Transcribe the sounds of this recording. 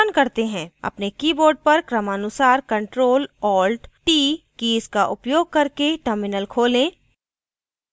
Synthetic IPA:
ənkɐɾt̪eɦɛ̃ːɐ̰pnekiːboːɾɖ̚pɐɾkɾəmaːnʊsaːɾkɐ̃ɳʈɾoːlɔːlʈʈiːkiːzkaʔʊpjoːɡ̚kɐɾkeʈəɾmɪnəlkʰoːlẽː

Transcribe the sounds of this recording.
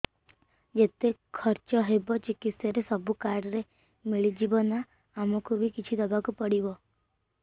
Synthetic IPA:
d͡ʒet̪ekʰɔɾt͡ʃɔɦebɔt͡ʃikit̪seɾesɔbukaɾɖɾe | miɭid͡ʒibɔna | amɔkubʱikit͡ʃʰid̪ɔbakupɔɽibɔ

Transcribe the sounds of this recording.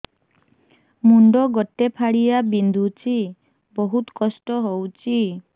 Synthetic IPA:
muɳɖɔɡɔʈːepʰaɽijabind̪ʱut͡ʃʰi | bɔɦut̪kɔsʈɔɦowt͡ʃʰi

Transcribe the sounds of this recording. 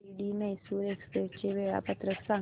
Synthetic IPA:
iɽiːməɦsuːɾekspeʈt͡ɕeʋeɭa̰pət̪ɾəksa

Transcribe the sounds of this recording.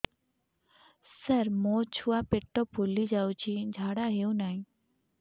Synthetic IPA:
səɾmõːt͡ɕʰuːaːpeʈːoːpʰuːliːd͡ʒaːut͡ʃʰĩːd͡ʒʱaːɽaːɦeũːnaːĩː

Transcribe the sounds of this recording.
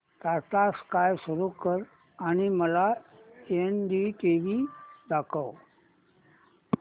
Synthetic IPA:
t̪at̪askajsuɾukəɾ | aɽ̃iməlaenɖiʈiʋid̪akʰəw

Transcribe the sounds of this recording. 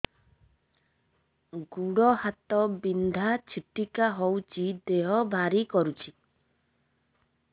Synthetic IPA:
ɡuɽɔhat̪ɔbind̪ʱat͡ʃʰiʈikaɦowt͡ʃʰid̪eɦɔbʱaɾikɔɾut͡ʃʰi

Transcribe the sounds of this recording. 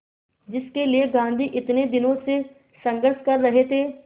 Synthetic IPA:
d͡ʒɪskelieɡãːnd̪ʱiʔɪt̪ned̪ɪnõse | sɐ̃ŋɡəɾʃkɐɾːɐɦet̪ʰeː

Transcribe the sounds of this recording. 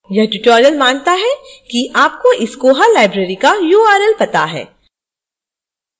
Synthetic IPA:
jɐɦʈuʈɔːɾijəlmãːnt̪aɦɛkiʔaːp̚koʔɪskoɦɐɾlaːɪbɾeːɾikajuːaːɾɛlpɐt̪aɦɛ̰ː

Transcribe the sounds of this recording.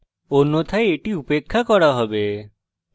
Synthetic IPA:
onːot̪ʰaeeʈiupekʰːakɔɾaɦɔbe

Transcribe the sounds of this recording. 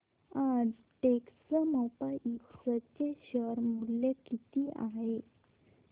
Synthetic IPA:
ad͡z | ʈeksəməwpaʔiksət͡ɕeɕəɾmulːekit̪iːa̰ɦe

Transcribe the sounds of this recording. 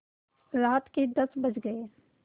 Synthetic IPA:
ɾaːt̪ked̪ɐsbɐd͡ʒɡɐeː

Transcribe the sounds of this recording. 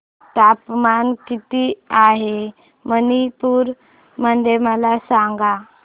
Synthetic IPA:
t̪apmankit̪iaɦe | mənipuːɾ | mənd̪eməlasãŋɡa

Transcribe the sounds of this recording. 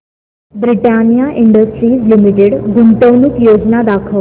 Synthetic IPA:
bɾiʈanijaʔiɳɖəsʈɾiːslimiʈeɽɡuɳʈ̪əwnukjod͡znad̪akʰə

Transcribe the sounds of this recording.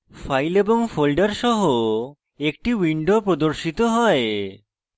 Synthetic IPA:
fajleboŋfolɖaɾʃɔɦo | ek̚ʈiwiɳɖopɾod̪oɾʃit̪oɦɔe

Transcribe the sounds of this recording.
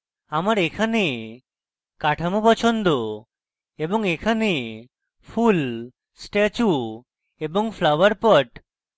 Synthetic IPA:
amaɾekʰane | kaʈʰamopɔt͡ʃʰond̪o | ebɔŋekʰane | pʰul | sʈet͡ʃu | ebɔŋpʰlawaɾpɔʈ

